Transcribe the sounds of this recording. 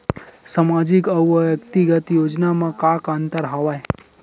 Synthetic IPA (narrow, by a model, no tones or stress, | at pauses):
samad͡ʒikəwəʋjəkt̪iɡət̪jod͡ʒnamãkakãnt̪əɾɦəʋaj